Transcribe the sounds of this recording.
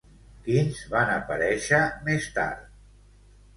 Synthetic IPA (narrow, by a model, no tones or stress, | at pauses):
kinzβanəpəɾɛʃəmest̪a̰ɾt̪̚